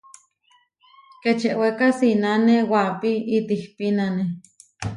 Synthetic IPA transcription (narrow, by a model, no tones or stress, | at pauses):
ket͡ʃeʔwekasinanewapiit̪ihpinane